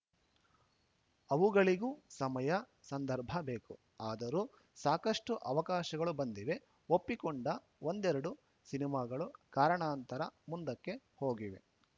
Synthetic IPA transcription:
ɐʋuɡɐɭiɡusɐmɐjɐ | sɐnd̪ɐɾbʱɐbe̞ːku | aːd̪ɐɾu | saːkɐʂʈuʔɐʋɐkaːʃɐɡɐɭubɐnd̪iʋe̞ | opːikɔɳɖɐ | o̞nd̪ɛɾɐɽu | sinimaːɡɐɭukaːɾɐɳaːnt̪ɐɾɐmund̪ɐkːe̞ho̞ːɡiʋe̞

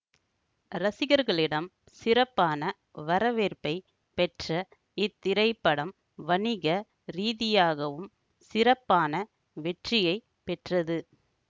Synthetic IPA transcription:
ɾɐsɪɣɐɾɣɐɭɪɽɐm | sɪɾɐpːaːnɐ | ʋɐɾɐʋeːɾpɐɪ | pɛʈrɐ | ɪt̪ːɪɾɐɪpːɐɽɐm | ʋɐnɪɣɐ | ɾiːðɪjaːɣɐʋɯm | sɪɾɐpːaːnɐ | ʋɛʈrɪjɐɪ | pɛʈrɐðɯ

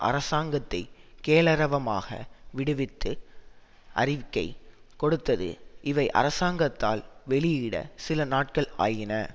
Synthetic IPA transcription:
ʔɐ̰ɾɐsaːŋɡɐt̪ːɐɪkeːlɐɾɐʋɐma̰ːɣɐ̰ʋɪɽɯʋɪt̪ːɯ | ʔɐrɪʋɪkːɐɪkɔɽɯt̪ːɐðɯ̰ʔɪʋɐɪʔɐ̰ɾɐsaːŋɡɐt̪ːa̰ːlʋɛɭɪɪɽɐ̰sɪlɐnaːʈ̚kɐɭa̰ːjɪnɐ

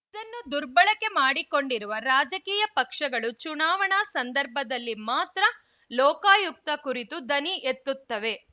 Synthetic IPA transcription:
id̪ɐnːud̪uɾbɐɭɐkːe̞maːɽiko̞ɳɖiɾuʋɐɾaːd͡ʒɐkiːjɐpɐkʂɐɡɐɭut͡ʃunaːʋɐɳɐsɐnd̪ɐɾbʱɐd̪ɐlːimaːt̪ɾɐ | lɔːkaːjuk̚t̪ɐkuɾit̪ud̪ɐniʔet̪ːut̪ːɐʋe̞

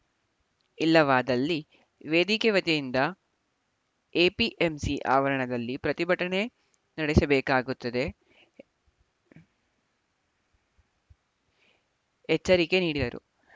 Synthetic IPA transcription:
ilːɐʋaːd̪ɐlːi | ʋeːd̪ikeʋɐt̪ijind̪ɐ | eːpiʔemsiʔa̰ːʋɐɾɐɳɐd̪ɐlːipɾɐt̪ibɐʈɐɳe̞ | nɐɽesɐbɛːkaːɡut̪ːɐd̪e̞ | ɛt͡ʃːɐɾike̞niːɽid̪ɐɾṵ

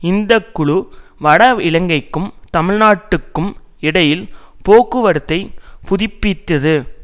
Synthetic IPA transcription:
ɪnd̪ɐkːʊɭʊʋɐɽɐɪlɐŋɡɐɪkːɯmt̪ɐmɪɻnaːʈːɯkːɯm | ɪɽɐjɪlpoːkɯʋɐɾɯt̪ːɐɪpʊðɪpːɪt̪ːɐðɯ

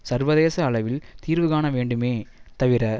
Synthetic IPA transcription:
sɐɾʋɐðeːsɐːɭɐʋɪlt̪iːɾʋɯɣaːnɐʋeːɳɖɯmeːt̪ɐʋɪɾɐ

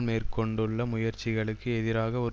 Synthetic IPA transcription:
lmeːrkɔɳɖɯɭːɐmʊjɐɾt͡ʃːɪɣɐɭɯkːɯɛðɪɾaːɣɐɔɾ

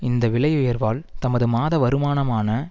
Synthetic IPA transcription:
ɪnd̪ɐʋɪɭɐjɯjɐɾʋaːlt̪ɐmɐðɯmaːðɐʋɐɾɯmaːnɐmaːnɐ

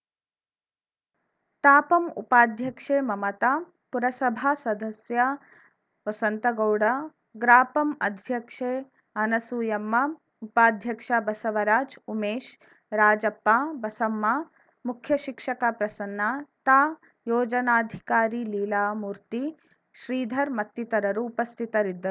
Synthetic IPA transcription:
t̪aːpɐmṵpaːd̪ʱjɐkʂeːmɐmɐt̪aː | puɾɐsɐbʱaːsɐd̪ɐsjɐ | ʋɐsɐnt̪ɐɡɐwɽɐ | ɡɾaːpɐmɐ̰d̪ʱjɐkʂeː | ɐnɐsujɐmːɐ | upaːd̪ʱjɐkʂabɐsɐʋɐɾaːd͡ʒumeːʃ | ɾaːd͡ʒɐpːaːbɐsɐmːa | mukʰjɐʃikʂɐkapɾɐsɐnːaːt̪aː | joːd͡ʒɐnaːd̪ʱikaːɾiːliːlaːmuːɾt̪i | ʃɾiːd̪ʱɐɾmɐt̪ːit̪ɐɾɐɾuːpɐst̪ʰit̪ɐɾid̪ːɐu

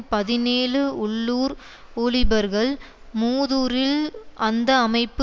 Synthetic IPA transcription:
pɐðɪneːlɯʊɭːuːɾ | uːɭɪbɐɾɣɐɭ | muːðuːɾɪlʔɐnd̪ɐːmɐɪpːɯ

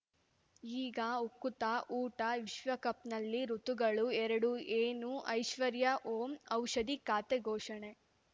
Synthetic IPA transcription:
iːɡɐukːut̪ɐʔuːʈɐʋiʃʋɐkɐpnɐlːiɾut̪uɡɐɭuɛɾɐɽueːnuʔɐjʃʋɐɾjɐʔoːmɐwʃɐd̪ikaːt̪eɡɔːʃɐɳe

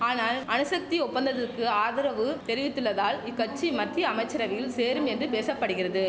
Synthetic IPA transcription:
aːnaːlɐnɯsɐk̚t̪iɔpːɐnd̪ɐðɐrkːɯaːðɪɾɐʋɯt̪ɛɾɪʋɪt̪ːɯɭːɐðaːlɪkːɐʈ̚t͡ʃimɐʈt̪ːiɐmɐɪt͡ʃːɐɾɐʋɪjɪlseːɾɯmɛndrɯpeːsɐpːɐɽɯɣɪrɐðɯ

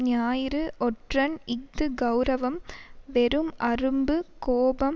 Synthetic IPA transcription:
ɲaːjɾɯʔɔʈrɐnɪɡ̚d̪ɯɡɐwɾɐʋɐmʋɛɾɯmɐrɯmbɯkoːbɐm

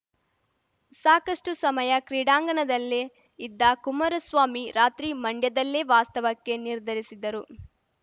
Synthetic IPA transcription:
saːkɐʂʈusɐmɐjɐkɾiːɽaːŋɡɐɳɐd̪ɐlːe | id̪ːɐkumɐɾɐsʋaːmiɾaːt̪ɾimɐɳɖjɐd̪ɐlːeʋaːst̪ɐʋɐkːe̞niɾd̪ʱɐɾisid̪ɐɾu

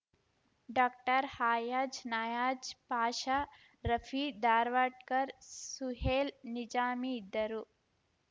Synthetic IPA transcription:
ɖaːk̚ʈɐɾhaːjad͡ʒnaːjaːd͡ʒpaːʃa | ɾɐfʰid̪aːɾʋaːʈ̚kɐɾsuɦeːlnid͡ʒaːmiːd̪ːɐɾu

